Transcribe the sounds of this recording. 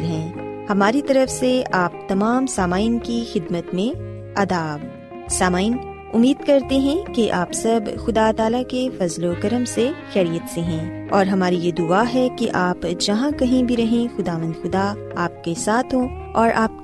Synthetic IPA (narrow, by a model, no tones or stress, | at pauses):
ɦɛ̃ːhɐmaːɾit̪ɐɾəfseaːp̚t̪ɐmaːmsaːmaːɪnkixɪd̪mət̪mẽ | ɐd̪aːʋ | saːmaːin | ʊmːiːd̪kɐɾt̪eɦɛ̃keʔaːpsɐbxʊd̪at̪aːlakefɐzlokɐɾəmseʃɛːɾijət̪seɦɛ̃ː | ɔːɾɦɐmaːɾijed̪ʊaɦɛkeʔaːpd͡ʒɐɦãkɐɦĩbʱiɾɐɦẽxʊd̪aːʋə̃nd̪xʊd̪a | aːp̚kesaːt̪ʰɦõ | ɔːɾʔaːp̚